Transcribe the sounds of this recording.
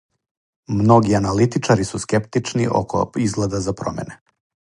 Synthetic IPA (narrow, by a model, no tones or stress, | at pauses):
mno̞ɡianalit̪it͡ʂaɾisuskept̪it͡ʂnḭʔo̰ko̰izɡled̪azapɾo̰mḛne